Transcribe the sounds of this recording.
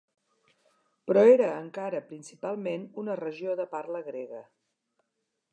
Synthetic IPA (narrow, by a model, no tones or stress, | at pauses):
pɾɔeɾəːŋkaɾəpɾinsipalˠmenunərəʒioðəpaɾləɣɾeɣə